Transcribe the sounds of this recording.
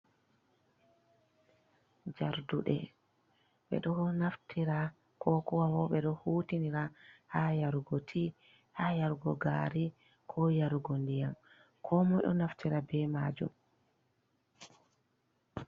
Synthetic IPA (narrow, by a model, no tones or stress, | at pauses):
d͡ʒaɾduɗɛ̰ | ɓɛ̰ɗɔnaftʰiɾa | kʰɔkɔwawɔɓɛɗɔhuːtiniɾahajaɾuɡotʰi | hajaɾuɡɔɡaːɾi | kʰɔjaɾuɡondijam | kʰɔmɔjɗɔ̰naftʰiɾabɛmad͡ʒṵm